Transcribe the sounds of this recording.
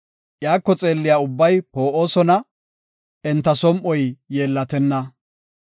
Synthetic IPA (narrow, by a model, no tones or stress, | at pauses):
ʔjaːkːɔt͡sʼe̞ːlːɪjaːʊbːɐjpo̞ːʔo̞ːsɔnɐ | ɛnt̪ːɐsɔmʔɔjjeːlːɐt̪ɛnːɐ